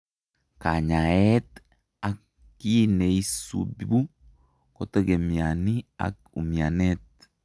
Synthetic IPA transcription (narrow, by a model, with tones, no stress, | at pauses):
ka˨ɲa˨ɛt̪ | a˨kː | i˦ne˨i˦sṵ˨bi˦bu˦ | ko˨t̪e˦ɡe˨mja˨ni˦a̰˨k | ṵ˨mia˨net̪̚